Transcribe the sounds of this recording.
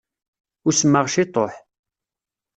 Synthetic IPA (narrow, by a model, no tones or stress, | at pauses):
ʊɾsəmːəʁʃɪt̪ˤo̰ħ